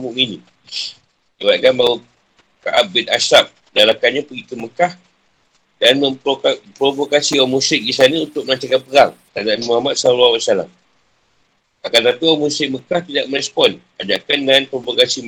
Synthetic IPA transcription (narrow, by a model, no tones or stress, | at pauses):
muʔmini | d͡ʒiwaʔ̚kanbau | ka̰ʔap̚bɪt̪asap̚ | dalakanɲapəɡik̪uməkah | danməppɾovokasiɔmũsɪk̚disanaunt̪ʊk̚məlat͡ʃakanpəɾaŋt̪adaʔnmuɦamat̪̚salwawaʔsala̰ŋ | akant̪at̪uɔmusɪk̚məkaht̪idaʔ̚məɾɛspɔn | ad͡ʒakanːanpɾovokasi